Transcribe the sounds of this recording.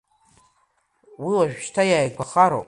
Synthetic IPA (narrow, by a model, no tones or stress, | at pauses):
wiwaʒᶣʃtʰajaːjkʷʰaχaɾo̰